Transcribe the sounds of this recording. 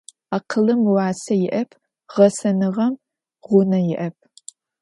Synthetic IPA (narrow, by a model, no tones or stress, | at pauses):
aːqʰəlɨmwɑːsɐjɪʔɐpʰ | ʁɐsɐnɨʁɐm | ʁʷʊnɐjɪʔɐp̚ʰ